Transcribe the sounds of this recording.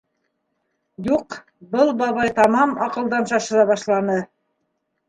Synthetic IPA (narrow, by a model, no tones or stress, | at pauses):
juq | bɤlˠbɑβɑjt̪ɑmɑmɑqɤ̆lˠd̪ɑnʃɑʃɤ̆ðˠɑβɑʃlˠɑnɤ